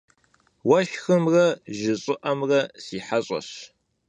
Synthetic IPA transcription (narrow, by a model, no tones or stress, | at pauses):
wɐʃxɨmrɐʒɪɕʼɪʔɐmrɐsiːħaɕʼɐ̰ɕ